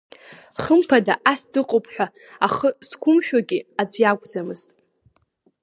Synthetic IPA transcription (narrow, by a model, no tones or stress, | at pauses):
χəmpʰadaʔasdɨqʼopʰħᶣʷa | aχəskʷʰʊmʃᶣaɡʲiad͡zʷjaɡʷʼd͡zamɨztʼ